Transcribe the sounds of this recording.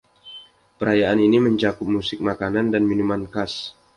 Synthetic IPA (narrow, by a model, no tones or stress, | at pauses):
pəɾajaʔaniniməɲt͡ʃakʊp̚musɪk̚makanandanminumankas